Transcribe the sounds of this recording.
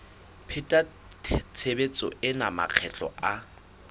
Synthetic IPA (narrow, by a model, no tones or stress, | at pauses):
pʰɛtʼa | tʰt͡sʰebet͡sʼɔɪna̰ma̰k͡xʰɛt͡ɬʼɔ̰a